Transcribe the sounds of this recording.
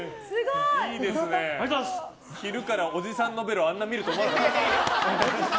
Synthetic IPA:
sɨɡoiːd̪e̞sɨne̞asos | çiɾɯ̟kaɾao̞d͡ʑisãnːo̞be̞ɾoãnːamʲiɾɯ̟t̪o̞ːmonaa

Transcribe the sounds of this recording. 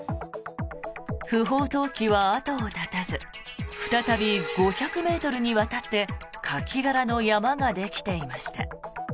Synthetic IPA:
ɸɯ̟ɦo̞ːt̪o̞ːkʲiβaat̪o̞ːt̪at̪azɨɸɯ̟̥t̪at̪abʲiɡo̞çakɯ̟me̞ːt̪o̞ɾɯ̟ɲ̟iβat̪at̪ːe̞kʰakʲiɡaɾano̞jamaŋad̪e̞kʲi̥t̪e̞imaɕi̥t̪a

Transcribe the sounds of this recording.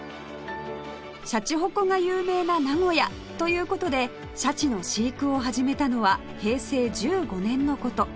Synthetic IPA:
ɕat͡ɕiɦo̞ko̞ŋajɯːme̞ːnanaŋo̞ja | t̪o̞jɯ̟ːko̞t̪o̞d̪e̞ | ɕat͡ɕino̞ɕiːkɯ̟o̞ɦaʑime̞t̪ano̞βa | he̞ːse̞ːd͡ʑɨːɡo̞nẽ̞nːo̞ko̞t̪o̞

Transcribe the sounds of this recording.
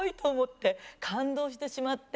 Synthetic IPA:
it̪o̞ːmo̞t̪ːe̞kʰãnd̪o̞ːɕ̬i̥t̪e̞ɕimat̪ː

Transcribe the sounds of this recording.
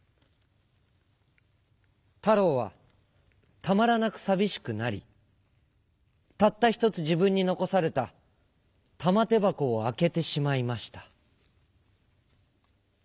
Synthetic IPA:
t̪aɾo̞ːβa̰ | t̪amaɾanakɯ̟̥sabʲiɕi̥kɯ̟naɾʲḭ | t̪at̪ːaçʲi̥t̪o̞t͡sɨʑibɯ̟̃ɲ̟ːino̞ko̞saɾe̞t̪a | t̪amat̪e̞bako̞ːake̞t̪e̞ɕimaimaɕi̥t̪ḁ

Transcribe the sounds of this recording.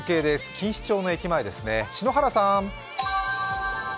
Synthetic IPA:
ke̞ːd̪e̞sɨ̥kʲĩɰ̃ɕi̥t͡ɕo̞ːno̞e̞kʲimaed̪e̞sɨne̞ɕino̞ɦaɾasãm

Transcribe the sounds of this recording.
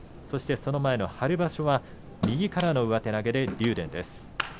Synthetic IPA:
so̞ɕi̥t̪e̞so̞no̞mae̞no̞haɾɯ̟baɕo̞βa | mʲiɡʲikaɾano̞ɯ̟βat̪e̞naɡe̞d̪e̞ɾʲɨːɾẽ̞nd̪e̞sɨ̥

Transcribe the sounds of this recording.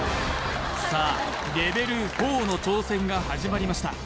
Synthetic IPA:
saː | ɾe̞be̞ɾɯ̟ho̞ːno̞t͡ɕo̞ːsẽ̞ŋɡahaʑimaɾʲimaɕi̥t̪a

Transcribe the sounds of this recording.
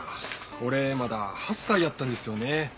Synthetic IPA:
ko̞ɾe̞mad̪ahasːaid̪at̪ːãnd̪esɨjo̞ne

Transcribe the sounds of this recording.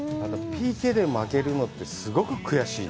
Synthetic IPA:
at̪opʲiːked̪e̞make̞ɾɯ̟no̞t̪ːe̞sɨɡo̞kɯ̟kɯ̟jaɕiː

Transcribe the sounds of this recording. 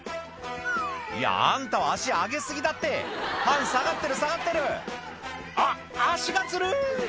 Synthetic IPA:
ḭja̰ã̰nt̪aaaɕiɡaːɡe̞sɨɡʲid̪at̪ːe̞pãɰ̃saɡat̪ːe̞ɾɯ̟saɣat̪ːe̞ɾɯ̟ | aː | ɕiɡat͡sɨɾɯ

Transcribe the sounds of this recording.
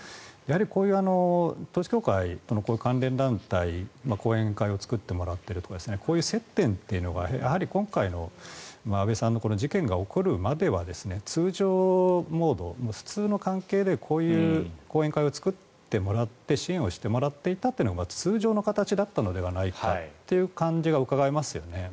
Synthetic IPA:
jahaɾʲiko̞ːjɯ̟ːano̞t̪oːɕi̥kʲo̞ːkait̪o̞nokoːjɯ̟kãnɾẽ̞nd̪ãnt̪aimako̞ːẽ̞ŋkaio̞t͡sɨ̥kɯ̟t̪ːe̞mo̞ɾat̪ːe̞ɾɯ̟t̪o̞kad̪sɨne̞kʰo̞ːjɯ̟ːse̞t̪ːẽ̞nt̪ːe̞ɯ̟no̞ɡa̰jahaɾʲikõ̞ŋkaino̞̰maːbe̞sãnːo̞ko̞no̞d͡ʑikẽ̞ŋɡao̞ko̞ɾɯ̟mad̪e̞βad̪e̞sɨne̞t͡sɨːʑoːmo̞ːd̪o̞̰moɸɯ̟̥t͡sɨːno̞kãŋke̞ːd̪e̞kʰo̞ːjɯ̟ːko̞ːe̞ŋkaiot͡sɨ̥kɯ̟t̪ːe̞mo̞ɾat̪ːe̞ɕiẽ̞ɰ̃o̞ɕi̥t̪e̞mo̞ɾat̪ːe̞it̪at̪ːei̟noɡamat͡sɨːʑo̞ːno̞kat̪at͡ɕid̪at̪ːano̞d̪e̞βanaika̰t̪ːe̞jɯ̟ːkãɲ̟d͡ʑiɡaɯ̟kaɡaemasɨjo̞̰ne

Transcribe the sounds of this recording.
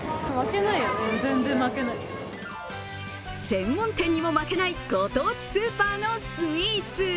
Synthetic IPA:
make̞naijonezẽ̞nzẽmmake̞nai | sẽ̞mːõnt̪ẽ̞ɲ̟ːimo̞make̞naiɡ̥o̞t̪o̞ːt͡ɕi̥sɨːpaːno̞sɨmʲiːt͡sɨ

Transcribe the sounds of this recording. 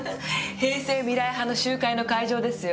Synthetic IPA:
he̞ːse̞ːmʲiɾaiɦano̞ɕɨːkaino̞kaiʑo̞ːd̪e̞sɨjo

